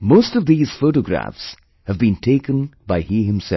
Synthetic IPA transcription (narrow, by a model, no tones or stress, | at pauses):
moʊstʌvðiːz̥foʊʈoɡɾæ̰fs | həvbĩntʰeɪkə̃nbaɪhiɦɪ̃msɛ̰